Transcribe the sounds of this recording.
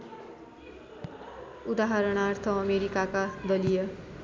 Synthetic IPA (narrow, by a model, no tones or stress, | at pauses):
ud̪aɦʌɾʌɽ̃art̪ʰʌːmeɾikakad̪ʌlijʌ